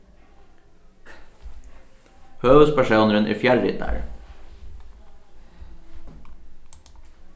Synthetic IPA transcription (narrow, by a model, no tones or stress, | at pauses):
høːʋʉspæʃuːnəɾənʔḭːfjɛlɪ̰t̪̚æ̰ɹ